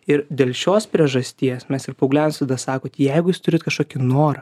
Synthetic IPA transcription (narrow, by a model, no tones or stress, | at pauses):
ɪɾd̪ʲeːlʲˠʃʲoːspʲɾʲiɛʒɐsʲt̪ʲiɛsmʲɛsɪrpɐʊɡlʲæːnnsɐd̪ɐsɑːkoːt̪jɛɪɡʊjɪst̪ʊɾʲɪt̪kɐʃkoːkʲɪnoːɾɐ